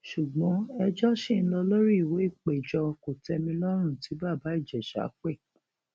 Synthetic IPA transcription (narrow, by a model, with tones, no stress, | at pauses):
ʃu˨ɡ͡bɔ̃˨˦ɛ˧d͡ʒɔ˦ʃĩ˦˨n̩˦lɔ˧lo˦ɾi˦i˨we˨˦i˦˨k͡pe˨d͡ʒɔ˧ko˨tɛ˧mĩ˧lɔ˦ɾ̃ũ˦˨ti˨˦ba˦˨ba˨˦i˦˨d͡ʒɛ˨ʃa̰˨˦k͡pɛ˦˨